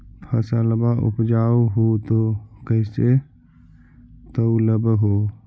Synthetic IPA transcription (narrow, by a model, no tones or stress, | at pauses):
pʰəsaləbaʔṵpd͡ʒaoɦot̪okəɦse | t̪əwləbɦo